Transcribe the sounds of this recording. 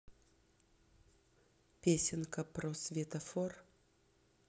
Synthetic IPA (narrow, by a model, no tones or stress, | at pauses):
pʲesʲɪnkəpɾosvʲet̪ɐfor